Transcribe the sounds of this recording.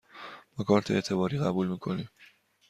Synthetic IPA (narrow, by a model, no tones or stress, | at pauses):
b̥ɒkʰɒːɾt̪ʰeeːt̪ʰe̞bɒːɾiːɣæbuːlmiːkʰo̞niːm